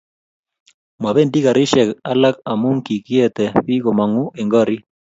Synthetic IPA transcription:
mwa˨βe˦˨ndi˦ɣa˨ɾi˦ʃɛ˨ka˦la˦ka˨mu˦ŋki˨ki˦e˦t̪ɛ˨ɸi˦ɣo˨ma˨ŋu˦ʔe˨ŋɡɔ˦ɾi˦

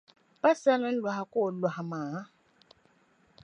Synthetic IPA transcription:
pa˦sa˦la˦n̩˦lwa˨ha˨kʼo˦˨lwa˨a˨maː˨˦

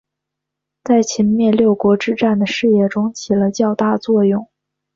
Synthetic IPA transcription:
t͡sa˥˩ɪt͡ɕʰi˧˥nmjɛ˥˧ljo˥˩ʊkwɔ˧˥ʈ͡ʂɻ̩˥˧ʈ͡ʂa˥˩nd̪ə˩ʂɻ̩˥˧jɛ˥˩ʈ͡ʂʊ˥ŋt͡ɕʰi˨˩lə˦t͡ɕjɑ˥˧ʊt̪a˥˧t͡swɔ˥˧jʊ˥˩ŋ

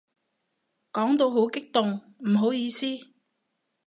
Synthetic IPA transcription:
kɔː˨˥ŋt̪o˧wɦo˨˥wkɪ˥k̚t̪ʊ˨ŋ | m̩˨˩ɦo˨˥wjiː˧siː˥

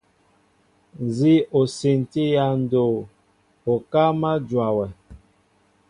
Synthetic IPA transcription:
n˨zi˦o˨se˨n˨ti˦ja˦˨n˨do˨ | o˨ka˦ma˦d͡ʒwa˨wɛ˨

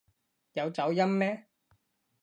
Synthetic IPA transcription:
jɐ˨˧wt͡sɐ˨˥wjɐ˥mmɛː˥

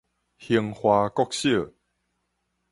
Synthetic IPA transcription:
hi˧əŋhwa˧kɔ˥˦k̚ɕi˥˩ə˨

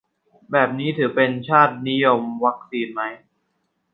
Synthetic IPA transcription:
bɛː˨˩p̚niː˦˥t̪ʰɯː˩˦pe˧nt͡ɕʰaː˥˩t̪̚ni˦˥jo˧mwa˦˥k̚siː˧nma˦˥j

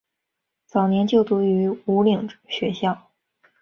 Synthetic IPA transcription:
t͡sɑ˨˩ʊnjɛ˧˥nt͡ɕjo˥˩ʊt̪u˧˥y˧˥u˧˥li˨˩ŋɕɥɛ˧˥ɕjɑ˥˩ʊ

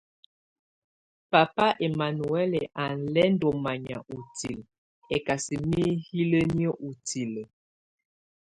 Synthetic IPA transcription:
pa˨pa˦ʔe˨ma˨nu˨ɛ˦le˨ʔa˨n̩˨lɛ˦n˦dɔ˨ma˨ɲa̰˨ʔu˨ti˨l | ɛ˨ka˨si˨mi˦hi˦lə˦njə˦ʔu˨ti˨lə˨

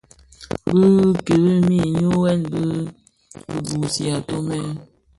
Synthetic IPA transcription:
bɨ˦ke˨ɾi˦mi˦ɲu˦wɛ˦nbɨ˦ | bɨ˨bu˨si˨a˨to˦mɛ˦

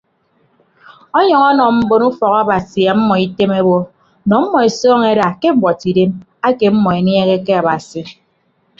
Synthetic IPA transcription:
ɔ˦ɲɔ˨ŋɔ˦nɔ˨m̩˦bo˦nu˦fɔ˨ka˦ba˨si˨a˨m̩˦mːɔ˨i˦te˦me˦bɔ˦ | nɔ˨m̩˦mːɔ˨e˨sɔː˦ŋe˦ɾa˨ke˦m̩˦bɔ˨ti˨de˦m | a˦ke˨m̩˦mɔ˨e˨n˦e˦ɣe˦ke˦a˨ba˨si˨

